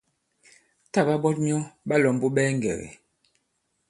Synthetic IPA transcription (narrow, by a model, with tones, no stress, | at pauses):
ta˦˨ba˦bɔ˦t̚ɲ˦ɔ˦ɓa˦lɔ˨mbo˦ɓɛː˦ŋ˨ɡɛ̰˨ɣḛ˨